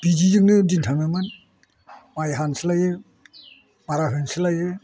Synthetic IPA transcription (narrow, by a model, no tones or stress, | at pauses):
b̥id͡ʒizɯŋnɯdintʰameman | majɦansɯlajɯ | maɾaɦɯnsɯlajɯ